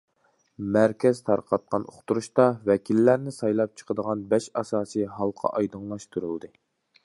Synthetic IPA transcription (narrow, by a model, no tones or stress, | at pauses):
mæɾkʲɛz̥t̪ʰɑɾqʰɑt̪̚qɑno̰χt̪uɾuʃt̪ɑvɛkʲʰilːæɾnɪsɑjlˠɑp̚t͡ʃʰə̥qʰəd̪əʁɑnbɛʃɑsɑːsɨɦɑlˠqʰɑ̰ʔɑjd̪ɨŋlˠɑʃt̪ʰuɾɨlˠd̪ɨ